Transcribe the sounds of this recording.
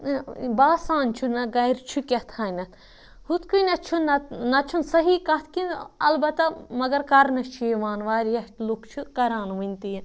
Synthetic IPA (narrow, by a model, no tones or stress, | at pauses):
baːsãːnt͡ʃʰunɐɡɐjɾt͡ʃʰukʲɐt̪ʰaːnɐt̪ | hut̪kunɐt͡ʃʰunɐnɐt͡ʃʰunsɐɦikɐt̪ʰkinɐ̰lbɐt̪ɐmɐɡɐɾkɐɾnɐt͡ʃʰeʋaːnʋaːɾjɐʈlukt͡ʃʰukɐɾaːnʋɐnʲt̪i